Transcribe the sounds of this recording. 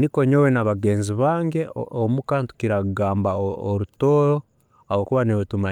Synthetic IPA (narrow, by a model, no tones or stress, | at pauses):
nikoɲowenaβaɡe̞ːnziβaːŋɡeomukaːntu̥kiɾauɡaːmbaoɾutoːɾo | ahokuβaneβutuma